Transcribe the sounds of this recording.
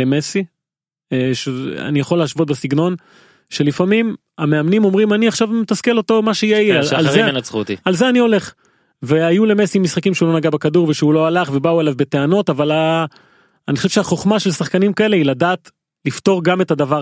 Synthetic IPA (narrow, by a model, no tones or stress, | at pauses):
emesi | ʃea̰nijaχo̞lːeaʃvo̞t̚besiɡno̞n | ʃe̞lifamim | ameamnimo̞mʁimaniaχʃavmet̪askelo̞to̞maʃeijejealzemenat͡sχut̪ialzeanio̞le̞χ | veajule̞mesimisχakimʃeulo̞naɡabekaduʁveʃeulo̞alaχve̞bauelavbe̞te̞ano̞tavala | anixoʃevʃeaχo̞χmaʃe̞lsaχkanimkae̞le̞iladaːt | lifto̞ʁɡame̞tadava